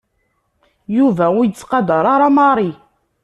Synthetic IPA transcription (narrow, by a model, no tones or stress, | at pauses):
juvæujət͡sːqɑd̪ɑɾˤaɾˤɑmɑɾˤi